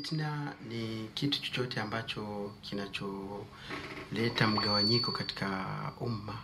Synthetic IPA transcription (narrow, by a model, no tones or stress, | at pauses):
tnanikitu̥t͡ʃɔ̥t͡ʃɔtɛambat͡ʃɔkinat͡ʃɔ | lɛtam̩ɠawaɲikɔkati̥kauma